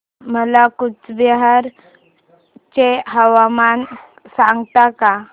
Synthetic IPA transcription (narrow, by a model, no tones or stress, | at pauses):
məlakut͡sbəɦaɾ | t͡ɕeɦəʋaman | sãŋɡt̪aka